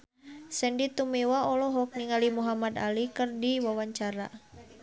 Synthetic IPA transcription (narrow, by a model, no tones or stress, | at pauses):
sɛndit̪umewaɔlɔɦɔk̚niŋalimuɦamad̪a̰likərdiwawaɲt͡ʃaɾa̰